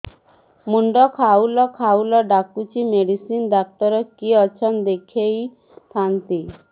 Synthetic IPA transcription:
muɳɖɔkʰaulɔkʰaulɔɖakut͡ʃʰimeɽisind̪ak̚t̪ɔɾɔkiɔt͡ʃʰɔnd̪ekʰej | t̪ʰant̪i

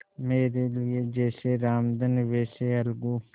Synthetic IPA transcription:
meːɾelɪjed͡ʒeːseɾaːmd̪ənʋeːseɐlɡuː

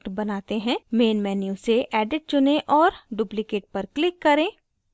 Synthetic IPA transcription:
ʈbɐnaːt̪eɦɛ̃meːnmɛːnjuseʔɛːɖɪʈ̚t͡ʃʊnẽʔɔːɾɖʊplɪkeːʈ̚pɐɾklɪkːɐɾẽː

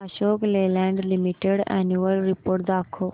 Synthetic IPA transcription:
ɐɕoːkleːlɛ̃ɳɖlimiʈeɽɛ̰njuəlɾipoːɾʈ̚d̪aːkʰoː

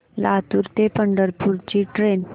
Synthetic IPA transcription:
lat̪uːɾt̪epəɳɖəɾpuɾt͡ɕiːʈɾen

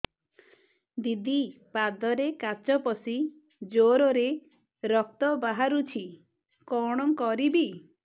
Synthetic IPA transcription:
d̪id̪ipad̪ɔɾekat͡ʃɔpɔsi | d͡ʒoɾɔɾe | ɾɔk̚t̪ɔbaɦaɾut͡ʃʰi | kɔɽ̃ɔŋkɔɾibi

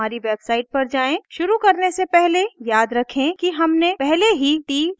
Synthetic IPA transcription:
aːɾiʋebsaːɪʈ̚pəɾd͡ʒaːẽʃʊɾukəɾnesepɛɦlejaːd̪ɾəkʰẽkiɦəmnepɛɦleɦiʈiːm

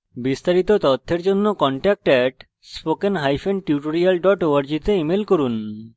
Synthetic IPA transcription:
bist̪aɾit̪ot̪ɔt̪ʰːeɾd͡ʑonːokɔɳʈɛk̚ʈɛʈ | spokenɦajfenɖʈiuʈoɾialɖɔʈoaɾd͡ʑit̪eimelkoɾun

